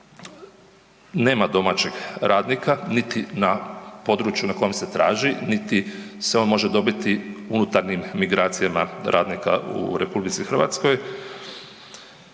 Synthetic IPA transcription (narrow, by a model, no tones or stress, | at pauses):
ne̞ːmad̪o̞mat͡ɕeɡɾʔaːd̪nikʰanit̪inapo̞d̪ɾut͡ʃjunako̞jemse̞t̪ɾaːʒinit̪i | seo̞nmo̞ʒe̞d̪o̞bit̪iunut̪aɾɲimːiɡɾaːt̪sijamaɾʔa̰ːd̪nika̰ʔṵɾepublit̪sixr̩ʋa̰t̪sko̞j